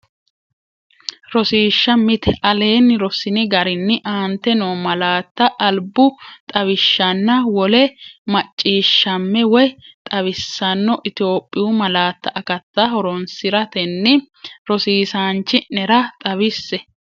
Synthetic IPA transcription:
ɾɔsiːʃːɐmɪt̪ɛʔɐle̞ːnːɪɾɔsɪnɪɡɐɾɪnːɪʔaːnt̪ːɛnoːmɐlaːt̪ːɐʔːlbʊt̪ʼɐβɪʃːɐnːɐwɔlɛmɐt͡ʃʼːiːʃːɐmːɛwɔjt̪ʼɐβɪsːɐnːɔʔɪt̪ɪo̞ːpʼːɪjʊmɐlaːt̪ːɐʔɐkɐt̪ːɐhɔɾɔnsɪɾɐt̪ɛnːɪ | ɾɔsiːsaːnt͡ʃːɪnɛɾɐt̪ʼɐβɪsːɛ

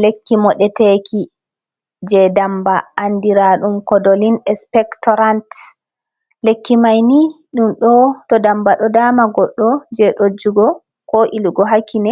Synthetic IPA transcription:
lekːimɔɗɛtekʰi | d͡ʒɛdambaʔandiɾaɗumkɔdolinɛspɛktɔɾant | lekːimajniɗumɗɔtɔdambaɗɔdamaɡɔɗːɔd͡ʒɛɗod͡ʒuɡɔ | kɔʔiluɡɔɦakːinɛ

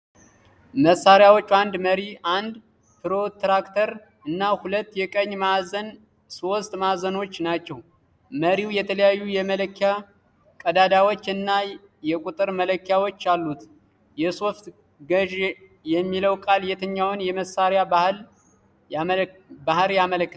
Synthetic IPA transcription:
məsːaɾjawot͡ʃːand̪məɾiand̪ | pʰɨɾo̞t̪ɾakt̪ʰəɾ | ɨnːahulət̪ːjɛkʼəɲːmazən | so̞st̪ʼmazəno̞t͡ʃːnat͡ʃːɛw | məɾiwjɛt̪ʰələjajːujɛmələkːja | kʼəd̪ad̪awot͡ʃːɨnːa | jɛkʼut̪ʼɨɾmələkːjawo̞t͡ʃːalːut̪ | jɛso̞ft̪ | ɡəʒ | jɛmːiləwkʼaljɛt̪ʰəɲːawʊnjɛməsːaɾjabahl | bahɨɾjamələkː

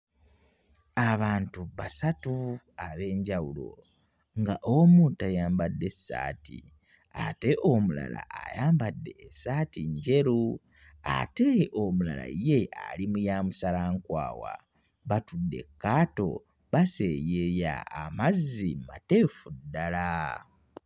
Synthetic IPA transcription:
aβaːntuβasatu | aβe̞ːɲɟawulo̞̰ | ŋɡaʔomuntajaːmbadːe̞sːa̰ːtḭ | a̰te̞ʔomula̰la̰ajaːmbadːe̞ːsatiɲɟe̞ɾu | a̰te̞omula̰la̰jealimujaːmusalaŋkwa̰ːwa̰ | βatudːe̞̰kːaːto̞̰ | βase̞jeja̰ːmazːimate̞fudala

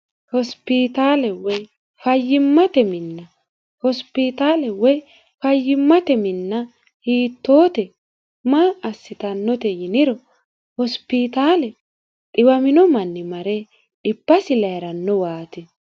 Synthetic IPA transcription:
hɔspit̪aːlɛwɔj | fɐjːɪmːɐt̪ɛmɪnːɐ | hɔspit̪aːlɛwɔj | fɐjːɪmːɐt̪ɛmɪnːɐ | hiːt̪ːoːt̪ɛ | maːɐsːɪt̪ɐnːɔt̪ɛjɪnɪɾɔ | hɔspit̪aːlɛ | ᶑʼɪwɐmɪnɔmɐnːɪmɐɾɛ | ᶑɪbːɐsɪlɐjɛɾɐnːɔwaːt̪ɪ

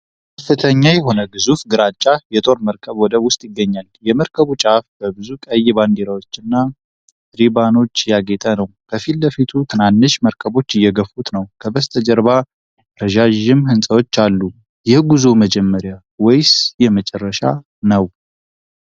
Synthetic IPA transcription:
kʰəfːɨt̪ʰəɲːajɛɦo̞nəɡɨzufɡɨɾat͡ʃʼːajɛt̪ʼo̞ɾməɾkʰəβwɔd̪əwʊst̪ʼjɪɡːəɲːaljɛməɾkʰəβut͡ʃʼafbəbɨzukʼəjːɪband̪eɾawo̞t͡ʃːɨnːa | ɾibano̞t͡ʃːjaɡɛt̪ʼanəwkʰəfild̪əfit̪ʰut̪ʰɨnanːɨʃməɾkʰəβo̞t͡ʃːɨjːɛɡəfut̪nəwkʰəbəst̪ʰəd͡ʒəɾβa | ɾəʒaʒɪmhɨnsʼəwo̞t͡ʃːalːu | jɛhɡuzuməd͡ʒɛmːəɾja | wɛjsjɛmət͡ʃʼɛrːəʃa̰ | nəw

